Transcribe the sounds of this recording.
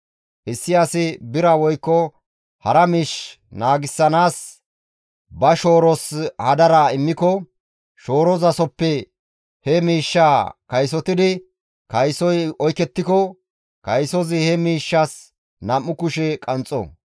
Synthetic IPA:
ʔɪsːɪjasɪbɪɾɐwɔjkːɔ | hɐɾɐmiːʃ | naːɡɪsːɐnaːs | bɐʃo̞ːɾɔshɐd̪ɐɾaɪmːɪkɔ | ʃo̞ːɾɔzɐsɔpːɛ | hɛmiːʃːaːkɐjsɔt̪ɪd̪ɪ | kɐjsɔjɔjkɛt̪ːɪkɔ | kɐjsɔzɪhɛmiːʃːɐs | nɐmːʊkʊʃɛkʼɐnt͡sʼɔ̰

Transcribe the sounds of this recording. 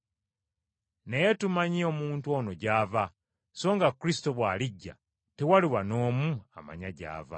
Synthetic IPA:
ne̞je̞tumaɲioːmuːntwo̞ːno̞ɟaːva | so̞ːŋɡakɾisi̥to̞βwaːliɟːa̰ | tewaliwano̞ːmua̰ma̰ɲaɟa̰ːva̰

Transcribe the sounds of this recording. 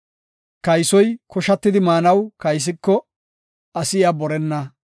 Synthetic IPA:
kɐjsɔjkʰɔʃɐt̪ːɪd̪ɪmaːnɐwkɐjs̬ɪkːɔ | ɐsɪjaːbɔɾɛnːɐ

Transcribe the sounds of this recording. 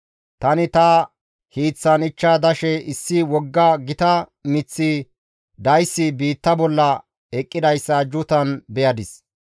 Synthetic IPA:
t̪ɐnɪt̪ɐ | hiːt͡sːɐnɪt͡ʃːaːd̪ɐʃɛɪsːɪwɔɡːɐɡɪt̪ɐmɪt͡sːi | d̪ɐjsːɪbiːt̪ːɐbɔlːɐ | ɛkʼːɪd̪ɐjsːɐd͡ʒʊt̪ɐnbɛjɐd̪ɪs

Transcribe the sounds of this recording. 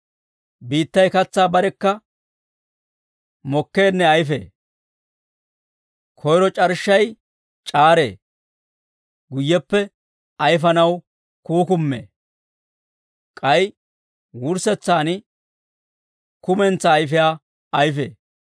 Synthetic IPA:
biːt̪ːɐjkɐt͡sːaːbɐɾɛkːɐ | mɔkːeːnːɛɐjfḛː | kʰɔjɾɔt͡ʃʼɐɾʃːɐj | t͡ʃʼaːɾe̞̰ː | ɡʊjːɛpːɛ | ɐjf̬ɐnɐw | kuːkʊmːḛː | kʼɐj | wʊɾsɛt͡sːaːnɪ | kʊmɛnt͡sːɐːjfɪjaː | ɐjfḛː

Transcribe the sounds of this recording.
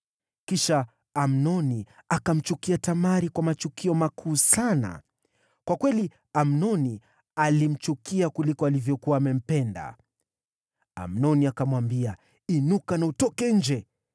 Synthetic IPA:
kiʃa | am̩nɔniakam̩t͡ʃukiatamaɾikwamat͡ʃukiɔmakʰuːsana̰ | kwakwɛli | am̩nɔni | alim̩t͡ʃukiakulikɔalivjɔkuaːmɛm̩pɛnda̰ | a̰m̩nɔniakamwambia | inukanautɔkɛɲ̩d͡ʒɛ

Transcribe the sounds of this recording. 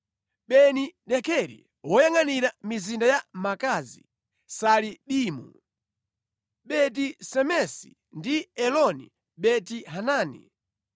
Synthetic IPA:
ɓɛniɗɛkʰɛɾḭ | wɔjaŋaniɾamizindajamakazḭ | saliɗiːmṵ | ɓɛt̬isɛmɛsi̥̰ | ndiɛlɔnḭ | ɓɛtiɦanaːnḭ

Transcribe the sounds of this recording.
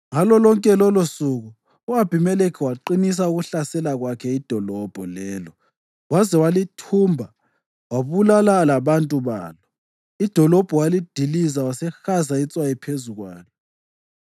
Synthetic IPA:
ŋalɔlɔŋkʼɛlɔlosuɣu | uab̥ʱimɛlekʰiwaǃinis̬auɣuɬasɛlaɣwakʰɛid̥ʱɔlɔb̥ʱɔlɛːlɔ | wazɛwalitʰumbʱa | waβulalalaβantʼuβa̰ːlɔ | id̥ʱɔlɔb̥ʱɔwalid̥ʱilizawasɛxazait͡sʼwajɛpʰezuɣwa̰ːlɔ

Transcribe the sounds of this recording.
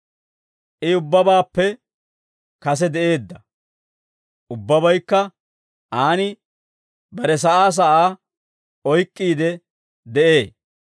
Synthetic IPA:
ʔɪʊbːɐbaːpːɛ | kɐs̬ɛd̪ɛʔe̞ːd̪ːɐ | ʔʊbːɐbɐjkːɐ | ʔaːnɪ | bɐɾɛs̬ɐʔaːs̬ɐʔaː | ɔjkʼːiːd̪ɛ | d̪ɛʔe̞ː

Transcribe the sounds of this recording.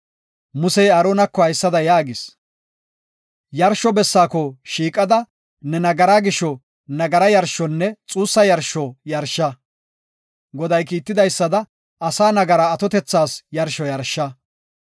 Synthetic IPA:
mʊsɛjaːɾoːnɐkːɔhɐjsːɐd̪ɐjaːɡɪs | jɐɾʃɔbɛsːaːkɔʃiːkʼɐd̪ɐ | nɛnɐɡɐɾaːɡɪʃːɔ | nɐɡɐɾɐjɐɾʃɔnːɛt͡sʼuːsːɐjɐɾʃɔjɐɾʃːɐ | ɡɔd̪ɐjkiːt̪ːɪd̪ɐjsːɐd̪ɐ | ɐsaːnɐɡɐɾaːt̪ɔt̪ɛt͡sːaːsjɐɾʃɔjɐɾʃːɐ

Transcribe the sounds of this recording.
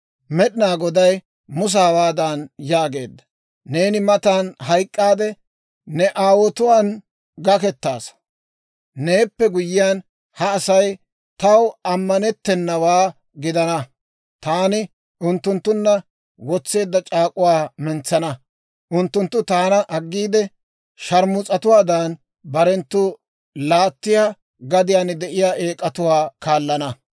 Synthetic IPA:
mɛɗɪnaːɡɔd̪ɐj | mʊs̬aːbaːd̪anjaːɡe̞̰ːd̪ːɐ̥ | ne̞ːnɪmɐt̪aːnɦɐjkʼːaːd̪ɛ | nɛʔaːwɔt̪ʊwaːn | ɡɐkɛt̪ːaːs | ne̞ːpːɛɡʊjːɪjaːn | hɐːsɐj | t̪ɐwɐmːɐnɛt̪ːɛnːɐwaː | ɡɪd̪ɐnɐ | t̪aːnɪ | ʊnt̪ːʊnt̪ːʊnːɐ | wɔt͡sːe̞ːd̪ːɐt͡ʃʼaːkʼʊwaːmɛnt͡sːɐnɐ | ʔʊnt̪ːʊnt̪ːʊt̪aːnɐʔɐɡːiːd̪ɛ | ʃɐɾmʊt͡sʼɐt̪ʊwaːd̪ɐn | bɐɾɛnt̪ːʊ | laːt̪ːɪjaː | ɡɐd̪ɪjaːnd̪ɛʔɪjaːʔeːkʼːɐt̪ʊwaːkaːlːɐnɐ

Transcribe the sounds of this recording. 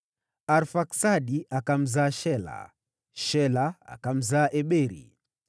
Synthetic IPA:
aɾfaksaɗiakam̩zaːʃɛla̰ | ʃɛlaa̰kam̩zaːʔɛɓɛɾḭ

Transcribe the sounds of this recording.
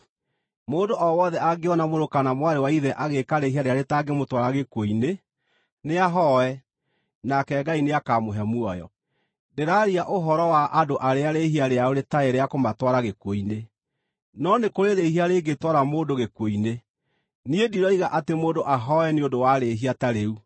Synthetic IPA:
moːndoʔɔwɔðɛaɡeɔnamoɾokanamwaɾewaiðɛʔaɣekaɾeɦiaɾeaɾetaɡemotwaɾaɣekwoine | neaɦɔɛ | nakɛɡaineakamoɦɛmuɔjɔ̰ | deɾaɾiaʔoɦɔɾɔwaʔadoʔaɾeaɾehiaɾeaoɾetaeɾeakomatwaɾaɣekwoine | nɔnekoɾeɾeɦiaɾeɡetwaɾamoːndoɣekwoine | niediɾɔiɣaʔatemoːdoʔaɦɔɛneondowaɾeɦiataɾeu

